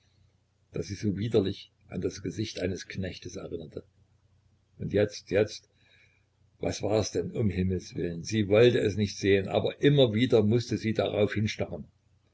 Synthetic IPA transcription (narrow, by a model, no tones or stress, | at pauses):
d̥a̰ːsz̥iːzoːviːdɐlɪç | ʔa̰ndasɡ̥əzɪçtʔaɪnəsknɛçtəsɛ̰ʁɪnɐtʰə | ʔʊntjɛt͡stjɛt͡st | va̰sv̥aːɛsd̥ɛnʊmɦɪml̩sv̥ɪ̰lənziːvɔltəɛsnɪçtz̥eːənʔa̰ːbɐʔɪmɐviːdɐmʊstəziːda̰ʁa̰ʊfhɪnʃtaʁən